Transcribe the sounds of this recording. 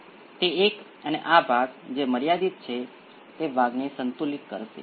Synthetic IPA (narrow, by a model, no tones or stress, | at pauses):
t̪eːk | əneʔabʱaɡd͡ʒeməɾjad̪it̪̚t͡ʃʰe | t̪eʋʱaɡnesənt̪ulikkə̰ɾʃḛ